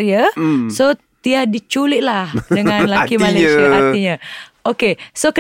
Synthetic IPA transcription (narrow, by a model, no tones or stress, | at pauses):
ɾiəso | t̪iahdit͡ʃulɪʔ̪̚lahdəŋãnlakimalesiaʔatiɲã | okesokə